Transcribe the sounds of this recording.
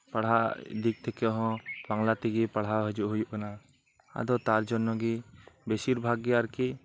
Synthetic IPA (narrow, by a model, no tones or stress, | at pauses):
paɽ̤ɦaʔd̪ik̚t̪ʰɛkɛʔɔɦɔ̃baŋlat̪iɡipaɽɦawɦəd͡ʒuʔɦujuʔkana | a̰d̪ɔt̪aɾd͡ʒɔnːɔɡibesiɾbʱaɡɡɛaɾkiʔ